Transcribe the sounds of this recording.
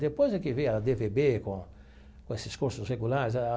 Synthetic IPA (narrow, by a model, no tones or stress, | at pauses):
d̪epojzd̪ɪkɪvẽjɐd̪evebekõ | kõesɪskuɾsʊsʁeɡulaɾɪz̬a